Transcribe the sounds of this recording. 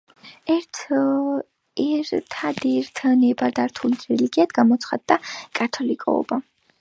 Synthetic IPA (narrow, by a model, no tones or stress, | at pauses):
ɛɾt̪ʰ | ɛɾt̪ʰad̪iɾt̪ʰnɛbaɾd̪aɾt̪ʰulit̪ʰɾɛliɡiad̪ɡamɔt̪sʰχa̰d̪ːakʼat̪ʰɔlikʼɔ̰ɔ̰ba